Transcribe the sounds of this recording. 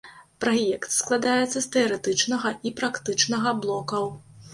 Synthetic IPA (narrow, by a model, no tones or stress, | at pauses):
pɾajɛkt̪sklˠad̪ajɛt̪sːɐst̪ɛɐɾɛt̪ɨt͡ʂnɐɣɐʔipɾakt̪ɨt͡ʂnɐɣɐblˠɔkɐw